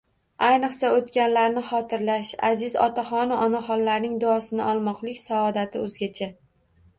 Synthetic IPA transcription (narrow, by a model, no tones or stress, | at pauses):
ajnɨqsaot̪kʲanlaɾnɪχɒt̪ʰɪɾlaʃa̰zɪzɒ̰t̪ʰaχɒnaʔɒnaχɒnlaɾnɪŋd̪ʊɒsɪnɪʔɒlˠmɒqlˠɪkʲsaɒd̪at̪ʰɪɵzɡʲat͡ʃʰa